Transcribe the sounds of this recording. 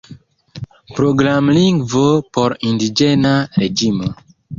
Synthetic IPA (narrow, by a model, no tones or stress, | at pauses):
pɾoɡɾamliŋɡvopoɾindid͡ʒenaɾed͡ʒimo